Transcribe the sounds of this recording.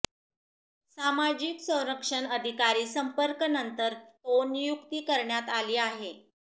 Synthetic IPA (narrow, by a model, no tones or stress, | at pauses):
samad͡ʑiksə̃w̃ɾəkʂəɳəd̪ʱikaɾiːsəmpəɾkənənt̪əɾt̪onjukt̪iːkəɾɳjat̪aliːaɦe